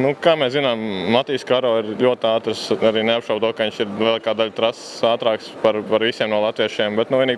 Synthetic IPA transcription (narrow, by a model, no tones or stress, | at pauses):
nukaːmɛszinaːmːat̪iːskaɾɔːiɾlʎʲuɔt̪aːt̪ɾsaɾiːneapʃaʊt̪uɔkɐiɲʲt͡ʃiɾlʲˠiɛlˠɑːkaːd̪aʎʲt̪ɾas | aːt̪ɾaːkspaɾpaɾʋisiɛmnuɔlˠat̪ʋiɛʃiɛmbɛt̪nuʋiɛniːɡ̚